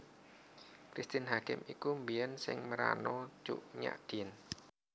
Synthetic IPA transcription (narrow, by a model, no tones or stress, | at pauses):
kɾist̪ɪnɦakɪmikumbiənsɪŋməɾa̰no̥ʒ̥ṵʔɲa̰ʔd̪̥in